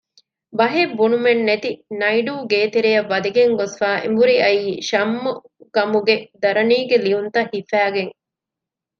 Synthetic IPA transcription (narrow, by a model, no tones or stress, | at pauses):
bɐɦebːunumenːet̪inɐiɖuːɡeːt̪eɾejɐʋːɐd̪ɐɡeŋɡosfaːʔḛmbuɾiɐiːʃɐmːu | ɡ̥ɐmuɡed̪ɐɾɐniːɡeliunt̪ɐhifæːɡeŋ